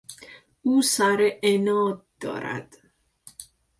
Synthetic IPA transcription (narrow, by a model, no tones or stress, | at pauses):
uːsæɾeʔenɒːd̪̚ːɒ̰ːɾæ̰d̪̥